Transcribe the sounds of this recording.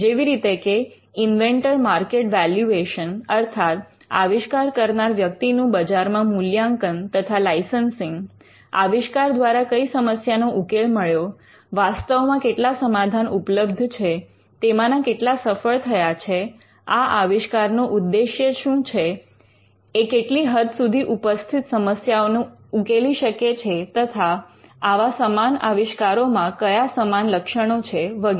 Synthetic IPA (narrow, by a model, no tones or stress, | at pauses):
d͡ʒeʋiɾit̪eke | inʋeɳʈəɾmaɾkeʈʋɛljueʃənəɾt̪ʰat̪ | a̰ʋiʃkaɾkəɾnaɾʋjəkt̪inũbəd͡ʒaɾmãmuljãŋkənt̪ət̪ʰalajsənsiŋɡ | aʋiʃkaɾd̪ʋaɾakəisəməsjanoʔukelməɭjo | ʋast̪əʋmãkeʈlasəmad̪ʱanupləbd̪ʱt͡ʃʰe | t̪emãnakeʈlasəfəɭt̪ʰəjat͡ʃʰe | aʔaʋiʃkaɾnoʔud̪ːeʃjəʃũt͡ʃʰeː | keʈliɦəd̪sud̪ʱiʔupəst̪ʰit̪səməsjaonũ | ukeliʃəket͡ʃʰet̪ət̪ʰaaʋasəmanaʋiʃkaɾomãkəjasəmanləkʃəɽ̃ot͡ʃʰeʋəɡ